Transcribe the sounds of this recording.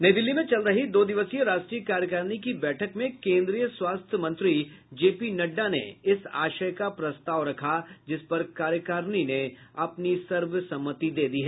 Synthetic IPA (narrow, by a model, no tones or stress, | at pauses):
nɐid̪ɪlːimẽt͡ʃɐlɾɐɦid̪oːd̪ɪʋəsijəɾaːʃʈɾijəkaːɾjəkəɾnikibɛːʈʰəkmẽkẽːnd̪ɾijəswaːst̪ʰjəmɐ̃nt̪ɾid͡ʒeːpinɐɖːanḛɪsa̰ːʃəjkapɾɐst̪aːʋɾɐkʰad͡ʒɪspɐɾkaːɾjəkaɾnineɐpnisɐɾʋəsɐ̃mːət̪id̪eːd̪iɦɛː